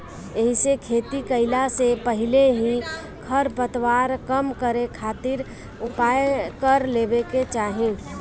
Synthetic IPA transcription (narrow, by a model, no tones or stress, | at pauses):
eɦisekʰeːt̪ikəɪlasepəɦɪleɦi | kʰɐɾpət̪waːɾkəmkəɾekʰaːt̪ɪɾ | ʊpaːjekəɾleːbeket͡ʃaːɦẽː